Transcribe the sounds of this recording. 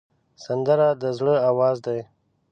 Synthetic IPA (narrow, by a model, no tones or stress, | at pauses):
sand̪əɾad̪əzɽəawɑːzd̪aj